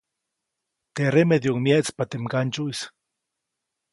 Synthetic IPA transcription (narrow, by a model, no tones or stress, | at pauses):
t̪eɾemeðjoŋmjeʔt͡spat̪emkant͡ʃuis